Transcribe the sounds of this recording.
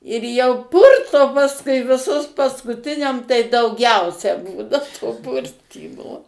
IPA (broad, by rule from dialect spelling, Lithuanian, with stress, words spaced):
ɪr jɛʊ ˈpʊrtoː pɐsˈkʊɪ ʋʲɪˈsʊs pɐskʊˈtʲɪnʲɛm tɐɪ dɐʊˈɡʲɛʊsʲɛ ˈbuːnɐ toː ˈpʊrʲtʲiːmoː